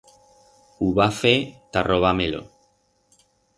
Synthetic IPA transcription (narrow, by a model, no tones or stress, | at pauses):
uβafet̪arʔoβamelo̰